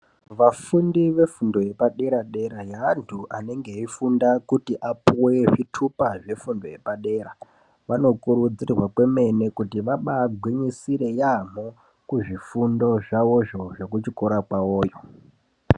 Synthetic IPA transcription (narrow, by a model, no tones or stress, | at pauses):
ʋafundiʋe̞fundo̞je̞paɗe̞ɾaɗe̞ɾajaːntʰuʔane̞ŋɡe̞ifundakutiʔapuweʐitʰupaʐe̞fundo̞je̞paɗe̞ɾa | ʋano̞kuɾud͡zirwakwe̞me̞ne̞kutiʋaɓaːɡʱwiɲisiɾe̞jam̤o | kuʐifundo̞ʐaʋo̞ʐo̞ʐe̞kut͡ʃikoɾakwaoːjo